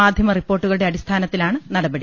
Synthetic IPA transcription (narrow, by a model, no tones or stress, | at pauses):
aːd̪ʱjɐmɐripːo̞ːrʈːuɣɐɭuɽe̞ɐɽist̪ʰaːnɐt̪ːilaːɳɨnɐɽɐbɐɽi